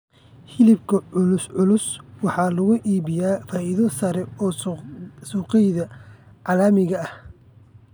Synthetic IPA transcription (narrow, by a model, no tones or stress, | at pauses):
hɪlɪbkʰɐʊlʊsʕʊlʊswɑħɑːlɐɣʊʔiːβɪjaːfaːʔɪðɔsɐɾɛɔː | suːqɛjðɐ | ʕɑlaːmɪɣɐɐh